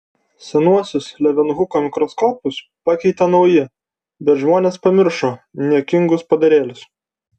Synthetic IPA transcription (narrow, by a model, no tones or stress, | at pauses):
sʲɛnuɔsʲʊslʲɛʋʲɛnɣʊkoːmʲɪkɾɔskɔːpʊs | pɑkʲɛɪt̪ɐnɐʊjɪ | bʲɛt̪ʒmoːnʲeːspɐmʲɪɾʃoːnʲiɛkʲɪŋɡʊspɐd̪ɐɾʲeːlʲɪs